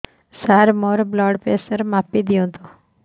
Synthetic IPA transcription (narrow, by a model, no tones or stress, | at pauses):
saɾmɔɾblɔɽpesəɾmapid̪ijõt̪ʰo